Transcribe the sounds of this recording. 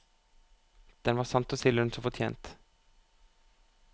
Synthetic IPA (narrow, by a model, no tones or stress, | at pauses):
d̪̥ɛnʋɑːsɑnt̪ɔsɪlənsɔfɔʈʰjḛːnt̪